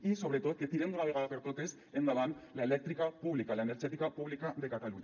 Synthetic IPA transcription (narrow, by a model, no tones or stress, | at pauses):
iso̞βɾet̪ot̪ket̪iɾend̪onaβeɣaɾaβeɾt̪ot̪es | end̪alanlaele̞k̚t̪ɾikapuβlikalaeneɾt͡ʃet̪ikapuβlikaðe̞kat̪aluɲa